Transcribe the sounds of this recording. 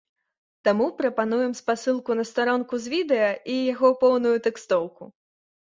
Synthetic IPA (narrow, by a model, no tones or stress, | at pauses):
t̪amupɾɐpanujɛmspasɨlˠkunɐst̪aɾɔnkuzʲvʲid̪ɛjɐʔijaɣɔpɔwnujut̪ɛkst̪ɔwku